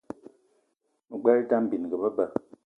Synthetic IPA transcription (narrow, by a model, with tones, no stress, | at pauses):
ɡ͡bɛ˦ɾta˦m̩˦˨bi˨n˨ɡə˨bə˦bə˨